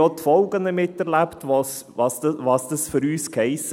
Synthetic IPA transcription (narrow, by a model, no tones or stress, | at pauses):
ɔt̪ʰfɔlɡɑnəmɪt̪ːəɾlæpt̪ʋɔs | ʋɑst̪əʋɑst̪əsfɾyːskʰæɪs